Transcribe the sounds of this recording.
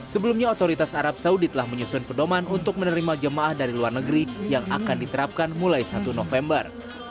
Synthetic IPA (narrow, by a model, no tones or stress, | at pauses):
səbəlumɲaot̪oɾit̪asaɾap̚saudit̪əlahməɲusʊnpədomanunt̪ʊk̚mənəɾimad͡ʒəmaʔahdaɾiluarnəɡəɾijaŋa̰kandit̪əɾap̚kanmulajsat̪unofɛmbər